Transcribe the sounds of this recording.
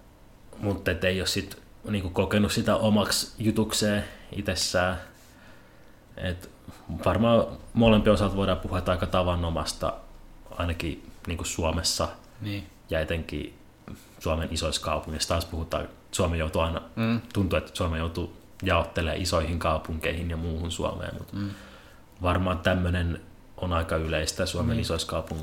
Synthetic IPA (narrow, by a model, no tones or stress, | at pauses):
mut̪ːet̪ːeiossit̪ | niːŋkukokenussit̪æʔomɑksjut̪ukseːḭt̪esːæː | ḛt̪ | ʋɑrmɑːmolempiosɑt̪ʋoiɾɑpuhuɑt̪ːɑikːɑt̪ɑʋɑnːomɑ̰st̪ɑ̰ɑ̰inɑkiniːŋkussuɑmesːɑ | n | jɑet̪eŋkḭ | suɑmenisoiskɑupuŋːist̪ɑːspuhut̪ɑ̰ː | suɑmejout̪uɑinɑt̪unt̪uet̪suɑmejout̪u | jɑot̪ːelḛːʔisoihiŋkɑupuŋkeihinjɑmuːhunsṵɑ̰mḛːmmṵt̪ | ʋɑrmɑːt̪æmːønen | onɑikɑyleist̪æsuɑmenisoiskɑupuŋː